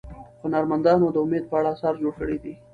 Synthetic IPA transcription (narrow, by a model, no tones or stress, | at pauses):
xonɑɾmand̪ɑnod̪əʊmed̪̚pəaɽasɑɾd͡ʒoɽkəɽid̪i